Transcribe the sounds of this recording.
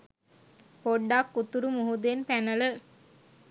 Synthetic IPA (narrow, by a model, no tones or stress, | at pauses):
poɖːakːut̪uɾumuɦud̪enpænələ